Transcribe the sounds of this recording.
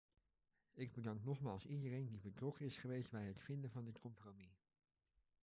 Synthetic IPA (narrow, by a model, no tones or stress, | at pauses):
ɪɡ̚bədɑŋknɔχmaːlˠsidərejndibətrɔkənɪsχəʋejsdbɛjɦətfɪndəvɑndɪtkɔmpromi